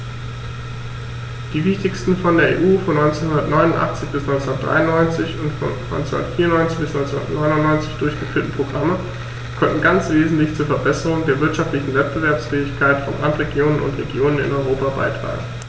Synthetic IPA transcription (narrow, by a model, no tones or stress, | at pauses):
d̥iːvɪçtɪçstn̩fɔndeːɐʔḛːʔuːfɔnːɔʏnt͡senhɦʊndɐtnɔʏnʊntʔa̰χt͡sɪçb̥ɪsnɔʏnt͡sʊnɐtd̥ʁa̰ɪʊnːɔʏnt͡sɪçʊntfɔ̰nnɔ̰ʏnt͡sn̰n̰dɐtfiːɐnɔʏnt͡sɪçb̥ɪsnɔʏɪnt͡suʊndɐtnɔʏnʊnnɔʏnt͡sɪçd̥ʊɐçɡ̥əfyːɐtn̩pʁ̥oɡʁamə | kʰɔntn̩ɡant͡sv̥eːzn̩tlɪçt͡suːɐfɛɐbɛsəʁʊŋdeːɐvɪɐtʃaftlɪçn̩vɛt̚b̥əvɛɐpsfɛːɪçkʰaɪtfɔ̰nʔa̰ntʁeɡjoːnənʊ̰ntʁeɡjoːnənɪ̰nɔʏʁoːpaba̰ɪtʁ̥a̰ːɡŋ̩